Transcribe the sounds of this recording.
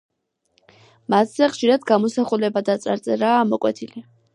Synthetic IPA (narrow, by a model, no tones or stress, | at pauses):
mat̪ʰz̥ɛχʃiɾad̪ɡamɔsaχulɛbad̪at̪sʼaɾt̪sʼɛɾaːmɔkʼwɛt̪ʰili